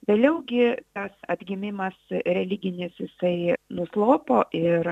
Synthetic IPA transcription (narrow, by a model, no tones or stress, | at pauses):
ʋʲeːlʲɛʊɡʲɪt̪ɐsɐd̪ʲɡʲɪmʲɪmɐsɾʲɛlʲɪɡʲɪnʲɪsjɪsɐɪnʊslˠoːpoːʔɪɾ